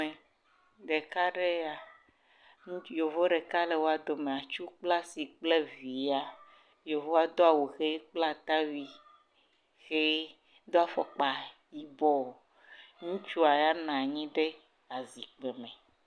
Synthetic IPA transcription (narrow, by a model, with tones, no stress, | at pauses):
e˨ | ɖe˨ka˦ɖe˦a˨ | ŋũ˦jo˨vo˦ɖe˨ka˦le˨wo˦a˨d̪o˨mẽ˨a˨t͡ʃu˦k͡pla˦si˨k͡ple˦vi˨a˦ | jo˨vo˦a˨d̪o˦a˨wo˨xe˦k͡pla˦t̪a˦wi˨ | xe˦ | d̪o˦a˨fɔ˦k͡pa˨ji˦bɔ˦˨ | ŋũ˦t͡ʃu˦a˨ja˦nã˨ɲĩ˦ɖe˦ | a˨zi˨k͡pe˨mɛ̃˨